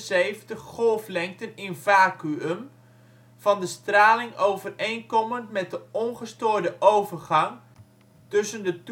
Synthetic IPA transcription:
sejvətəχχɔlˠflɛŋk̚tənɪnvaːkyəm | v̥ɑndəstraːlɪŋowvərejnkɔməntmɛt̚dəɔnχəstoːɹdəʔowvərχɑŋ | tɵsəndət

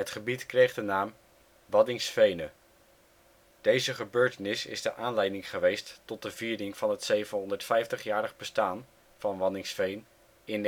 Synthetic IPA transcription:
ɦətχəbitkrejχdənaːm | ʋɑdɪŋsfejnə | d̥ejzəχəbøːɹtənɪsɪ̰zdəʔaːnlɛjdɪŋχəʋejstːɔt̚dəviːɾɪŋv̥ɑnɦətsejvənɦɔndəɹtfɛjftəχjaːɾəχbəstaːn | v̥ɑnʋɑdɪŋsfejn | ɪn

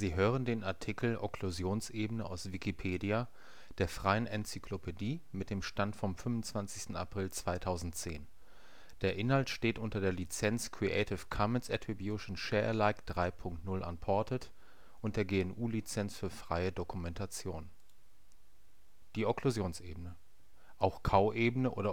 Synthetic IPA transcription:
z̥iːɦøːʁəndeːnaɐtʰɪkl̩ʔɔkʰluzjoːnsʔeːbənəʔaʊsv̥ikipʰeːdia | d̥eːɐfʁ̥aɪənʔɛnt͡sykʰlopʰediːmɪt̚d̥eːmʃtantfɔmfʏmvʊnt͡sv̥ant͡sɪ̥çstn̩a̰pʁ̥ɪlt͡sv̥aɪtʰaʊzn̩tt͡seːn | d̥eːɐʔɪnhaltʃteːtʔʊntɐdeːɐlit͡sɛnt͡skʁ̥iʔɛ̰ɪtʰɪfkʰamənsʔɛtʁibjuʃn̩ʃɛːɐɛlaɪkd̥ʁaɪpʰʊŋktnʊlʔa̰npʰɔɐtʰət | ʔʊntd̥eːɐɡeːɛnʔuːlit͡sɛnsfyːɐfʁ̥aɪədokumɛntʰat͡sjoːn | d̥iːɔkluzjoːnsʔeːbənə | ʔaʊxkʰaʊʔeːbənəʔo̰ːɾɐ

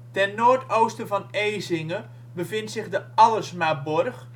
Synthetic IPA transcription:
tɛnnoːɹtowstəvɑnejzɪŋə | bəvɪntsɪχdəɑləsmabɔrχ

